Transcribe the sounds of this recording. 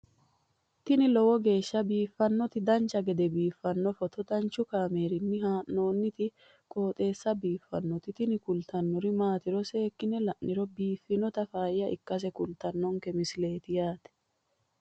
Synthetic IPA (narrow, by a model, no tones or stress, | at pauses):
t̪ɪnɪlɔwɔɡe̞ːʃːɐbiːfːɐnːɔt̪ɪd̪ɐnt͡ʃːɐɡɛd̪ɛbiːfːɐnːɔfɔt̪ɔt̪ɐnt͡ʃːʊkaːme̞ːɾɪnːɪɦaːnːo̞ːnːɪt̪ɪ | kʼo̞ːt̪ʼe̞ːsːɐbiːfːɐnːɔt̪ɪt̪ɪnɪkʊlt̪ɐnːɔɾɪmaːt̪ɪɾɔse̞ːkːɪnɛlɐʔnɪɾɔbiːfːɪnɔt̪ɐfaːjjɐʔɪkːɐs̬ɛkʊlt̪ɐnːɔŋkɛmɪsle̞ːt̪ɪjaːt̪ɛ̥